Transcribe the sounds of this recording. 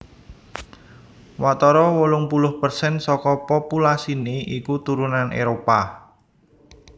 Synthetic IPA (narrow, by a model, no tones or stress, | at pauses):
wat̪ɔɾɔwolʊŋpulʊhpərsɛnsɔkɔpopulasineʔikut̪uɾunanʔḛɾopa